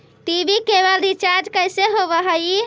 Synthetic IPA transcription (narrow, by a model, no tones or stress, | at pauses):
t̪ibikebəld̪it͡ʃaɾd͡ʒkəjseɦobəɦəji